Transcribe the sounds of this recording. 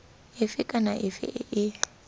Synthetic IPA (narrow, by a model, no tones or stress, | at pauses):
ɪfɪkʼanaʔɪfɪ̰ʔɪʔɪ